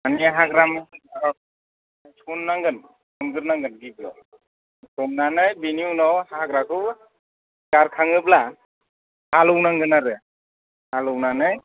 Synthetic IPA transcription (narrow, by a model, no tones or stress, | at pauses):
aniaɦaɡɾamɯaɔ | tʰunːaŋɡɯn | sɯmɡɯɾnaŋɡɯnɡiblɔ̰ | tɔmnanɯjbiniunɔwhakɾakʰɯ | ɡaɾkʰaŋɯpla | halɯwnaŋɡɯnaɾɯ | halɯwnanɯj